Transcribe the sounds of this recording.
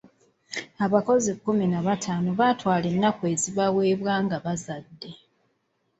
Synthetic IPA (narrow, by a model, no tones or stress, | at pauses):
aβako̞zikːuminaβatʰaːnoβaːtwaːlenːakwe̞ːziβawe̞ːβwaːŋɡaβazadːe̞